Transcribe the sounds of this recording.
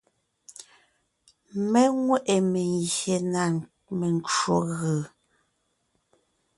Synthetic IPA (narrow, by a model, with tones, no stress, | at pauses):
mɛ˦ŋwɛ˦ʔe˨me˨ŋɣje˨na˨ | me˨n˦t͡ʃo˨ɣɯ˨